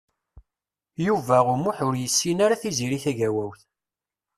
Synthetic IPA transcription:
juvæʁʊmuħʊɾjəsːinaɾaθiziɾiθæʝæwæwθ

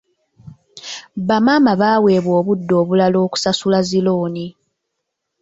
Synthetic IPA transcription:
βamaːmaβaːwe̞ːβwoːβudːo̞ːβulalo̞ːku̥sasulaziloːni

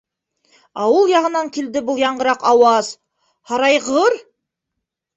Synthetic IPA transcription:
ɑwɤlˠjɑʁɤ̆nɑŋkild̪ɘbulˠjɑɴɢɤ̆ɾɑqɑwɑz̥ | hɑɾɑjʁɤɾ

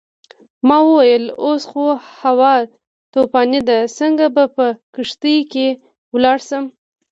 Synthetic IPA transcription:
mɑwəwajəlosxohawɑ | t̪opɑnid̪asəŋɡabapəkəʂt̪əjke | wlɑɽsəm

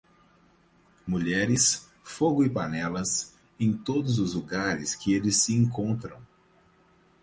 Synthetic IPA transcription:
muʎɛɾɪs | foɡʊɪpanɛlɐs | ẽj̃t̪od̪ʊzʊzluɡaɾɪskɪelɪsːɪẽŋkõnt̪ɾɐ̰̃w̃

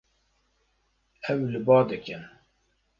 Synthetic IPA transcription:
ɛwlɨbɑːd̪ɨkɛn

